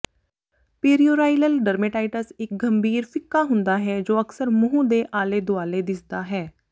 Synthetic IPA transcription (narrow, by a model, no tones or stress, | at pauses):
peːɾioːɾaːɪləlɖɐɾmeʈaːɪʈəsɪk̚ɡɐmbʱiːɾfɪkːaɦʊ̃nd̪aɦɛd͡ʒoːɐksəɾmʊɦũd̪eʔaːled̪ʊaːled̪ɪsd̪aɦɛː